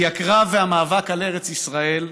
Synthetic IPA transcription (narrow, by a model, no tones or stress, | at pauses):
jakʁaveamaːvakale̞ʁet͡sisʁae̞l